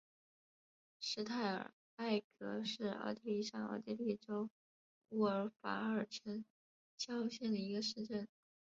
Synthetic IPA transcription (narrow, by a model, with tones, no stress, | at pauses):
ʂɻ̩˥t̪ʰa˥˩ɪə̰˨˩ | a˥˩ɪkɤ˧˥ʂɻ̩˥˧ɑ̰˥˧ʊt̪i˥li˥˧ʂɑ˥˩ŋɑ̰˥˩ʊt̪i˥li˥˩ʈ͡ʂo˥ʊ | u˥ə˞˧˥fa̰˧˥ə˞˨˩ʈ͡ʂʰə˧˥n | t͡ɕjɑ˥ʊɕjɛ˥˩nd̪ə˩i˧˥ɡə˧ʂɻ̩˥˧ʈ͡ʂə˥˩n